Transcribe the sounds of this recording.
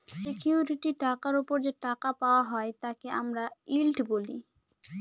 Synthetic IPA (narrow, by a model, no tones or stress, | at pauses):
sekʰjuɾiʈiʈakaɾopoɾd͡ʑeʈakapaoaɦɔet̪akeʔamɾailʈboli